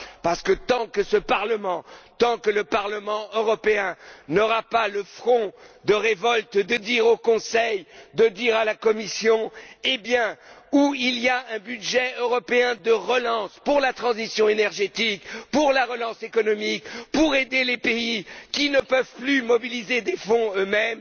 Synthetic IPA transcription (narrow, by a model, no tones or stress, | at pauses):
paʁsə̥kət̪ɑ̃kəsəpaʁləmɑ̃t̪ɑ̃kələpaʁləmɑ̃øʁɔpeɛ̃nɔʁapaləfχɔ̃d̪əʁevɔlt̪d̪əd̪iʁokɔ̃sɛjd̪əd̪iʁalakɔmisjɔ̃ebjɛ̃ | uiliaɛ̃byd̪ʒɛøʁɔpeɛ̃d̪əʁəlɑ̃spuʁlat̪χɑ̃zisjɔ̃enɛʁʒet̪ikpuʁlaʁəlɑ̃sekɔnɔmikpuʁed̪elepeikʲinəpœvplymɔbilized̪efɔ̃ømɛm